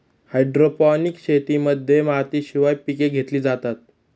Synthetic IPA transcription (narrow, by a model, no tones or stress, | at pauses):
hajɖɾopɔnikɕet̪iməd̪ʱːjemat̪iːɕiʋajpikeɡʱet̪liːd͡zat̪at̪̚